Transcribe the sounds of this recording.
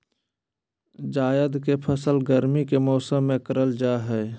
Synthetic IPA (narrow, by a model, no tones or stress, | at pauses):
d͡ʒaːjəd̪kepʰəsəlɡəɾmikemɔːsəmːẽkəɾəld͡ʒaːɦɛː